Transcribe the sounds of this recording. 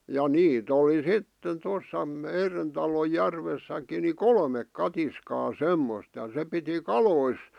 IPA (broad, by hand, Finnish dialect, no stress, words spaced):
jɑ niːt oli sitːen tosˑɑ meiren tɑlo jærʋesˑækˑi ni kolmek kɑtiskɑː semːost jɑ se piti kɑlois